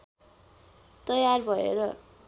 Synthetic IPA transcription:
t̪ʌjarbʱʌḛɾʌ

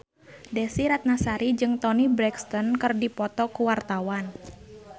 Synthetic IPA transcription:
dɛsiɾat̪̚nasaɾid͡ʒɨŋt̪ɔnibɾɛkst̪ɔnkɨrdipɔt̪ɔkuwart̪awan

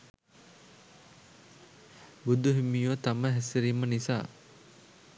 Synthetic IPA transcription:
bud̪uɦimiːʋət̪aməɦɛsiɾimːənisa̰ː

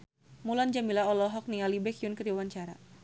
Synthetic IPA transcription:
muland͡ʒamilaɔlɔɦɔk̚nialibɛkjʊnkədiwaɲt͡ʃaɾa̰

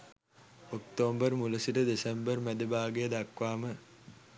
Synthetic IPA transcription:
okt̪oːmbərmuləsiʈəd̪esembərmæd̪ebaːɡejəd̪akʋaːmə

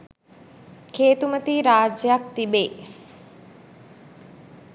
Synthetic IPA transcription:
kʰeːt̪umət̪iːɾaːd͡ʒəjak̚t̪ibeː

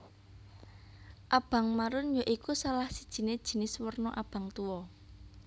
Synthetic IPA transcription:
ʔab̥a̤ŋmaɾʊnjoʔikusalahsid̥ʒ̥i̤ned̥ʒ̥i̤nɪswərnɔʔab̥a̤ŋt̪uwɔ

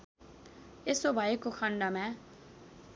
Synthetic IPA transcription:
esobʱʌekokʰʌɳɖʌmã

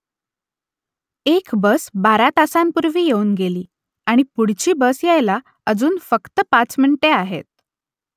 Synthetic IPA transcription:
ekbəsbaɾat̪asampuɾʋiːjeuːnɡeliː | aɽ̃ipuɽ̤t͡ɕiːbəsjajla | əd͡zuːnfəkt̪əpat͡smiɳiʈeaɦḛt̪̚

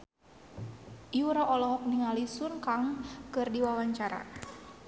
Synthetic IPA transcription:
iuɾaʔɔlɔɦɔk̚niŋalisunkaŋkɨrdiwawaɲt͡ʃaɾa̰

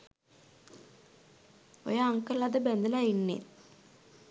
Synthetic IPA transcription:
o̰jaŋkɐɭɐd̪ɨbend̪ɐlaiɳːḭt̪

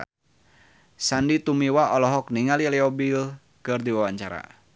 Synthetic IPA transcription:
sandit̪umiwaɔlɔɦɔkniŋaliɛliɔbil | kɨrd̪iwawaɲt͡ʃaɾa̰

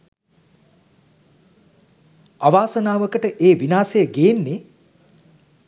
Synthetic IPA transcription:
aʋaːsənaːʋəkəʈəʔeːʋinaːsejəɡeːnːe

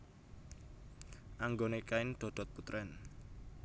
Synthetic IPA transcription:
ʔaŋɡonekaɪnɖ̪̥ɔ̤d̪̥ɔ̤t̪̚put̪ɾɛn

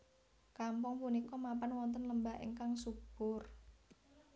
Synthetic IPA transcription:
kampʊŋpunikɔmapanwɔnt̪ənləmbaʔḛŋkaŋsub̥ʊr

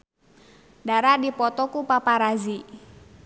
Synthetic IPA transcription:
daɾadipɔt̪ɔkupapaɾazi

